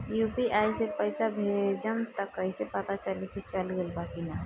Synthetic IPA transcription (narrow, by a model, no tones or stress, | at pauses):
juːpiʔaːisepəjsabʱed͡ʒəmt̪əkəisepət̪at͡ʃəlekit͡ʃəlɡelbakina